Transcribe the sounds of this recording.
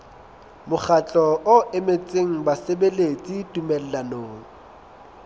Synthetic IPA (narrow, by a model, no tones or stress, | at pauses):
mʊχat͡ɬʼɔʔʊʔɪmet͡sʼeŋ̩basebelet͡sʼitʼumɛl̩lanoːŋ̩